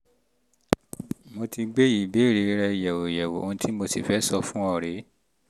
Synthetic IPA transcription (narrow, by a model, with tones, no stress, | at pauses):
mo˧ti˧ɡ͡be˦ji˨be˦˨ɾe˧ɾɛ˧˨jɛ˨wo˨jɛ˨wo̰˨o˦˧ũ˧˦tʰi˦mo˧si˨fɛ˨˦sɔ˧fũ˦ɔ˦˨ɾe˨˦